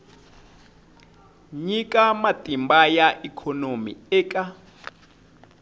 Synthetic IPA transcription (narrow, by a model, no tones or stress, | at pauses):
ɲikʼamatʼimbajaʔikʰɔnomḭɛːkʼa